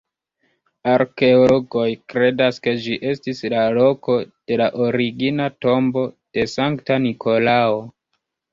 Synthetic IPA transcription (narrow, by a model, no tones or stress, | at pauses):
aɾke̞olo̞ɡo̞jkɾe̞daske̞d͡ʒiʔe̞stislalo̞ko̞d̥e̞laʔoɾiɡinato̞mbo̞d̥e̞saŋktanikʰo̞lao